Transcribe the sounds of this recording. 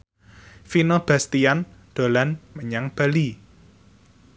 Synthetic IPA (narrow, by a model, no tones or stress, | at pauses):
finɔb̥a̤st̪iand̪̥o̤lanməɲaŋb̥a̤li